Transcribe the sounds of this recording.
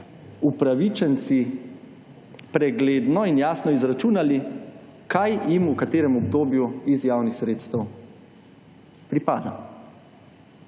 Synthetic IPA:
upɾaʋit͡ʃɛnt̪si | pɾɛɡleːd̪nɔinjaːsnɔizɾat͡ʃuːnalikajjimukat̪eːɾɛmɔbd̪oːbjuizjaːwnixsɾeːt̪st̪ɛw | pɾipa̰ːd̪a̰

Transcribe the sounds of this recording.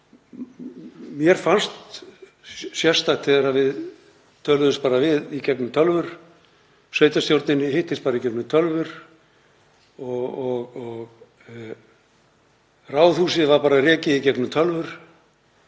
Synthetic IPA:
mjɛɾ̥fanst̪ | sjɛ̥st̪at̪ʰθɛðɛɾavɪð | t̪ʰœlvʏspaːɾavɪðicɛknʏmt̪ʰœlvʏɾ̥ | sveːjt̪ast̪jowɾt̪nɪnɪhɪht̪ːɪspaːɾaicɛknʏt̪ʰœlvʏɾ̥ | ɔɣɔɣɔɣ | raːwθhuːsɪðvaɾpaːɾarɛːcɪicɛknʏmt̪ʰœlvʏɾ̥

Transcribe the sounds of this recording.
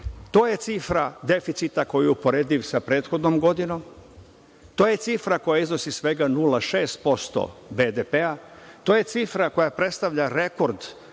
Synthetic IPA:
t̪o̞ːje̞t̪sifɾad̪e̞fit̪sit̪ako̞juupo̞ɾe̞ːd̪iʋsapɾe̞ːt̪xo̞d̪nomɡo̞d̪ino̞m | t̪oːje̞t̪sifɾako̞jaizno̞sisʋe̞ɡanulaʃeːst̪̚po̞st̪o̰bed̪epeat̪o̞ːje̞t̪sifɾako̞japɾe̞t̪st̪aʋʎaɾe̞ko̞ɾd̪

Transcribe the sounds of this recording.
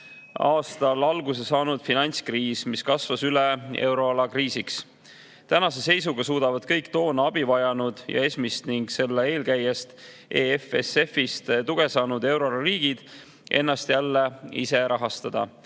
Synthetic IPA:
ɑːst̪ɑlɑlɡus̬esɑːnud̪̥finɑjnʲt̪skriːsmiskɑsvɑsylee̞wɾo̞ɑlɑkriːsiks | t̪ænɑse̞se̞js̬uɡ̥ɑsuːd̪̥ɑvɑd̪̥̚kɤjkt̪o̞ːnɑɑb̥ivɑjɑnud̪̥jɑ̰e̞smist̪niŋɡse̞lːee̞ːlkæjest̪ | e̞efese̞fist̪t̪uɡ̥e̞sɑːnud̪e̞wɾo̞lɑɾiːɡ̥id̪̥ | ʔe̞̰nːɑst̪jælːeḭse̞ɾʔɑɦɑst̪ɑd̪̥ɑ̰

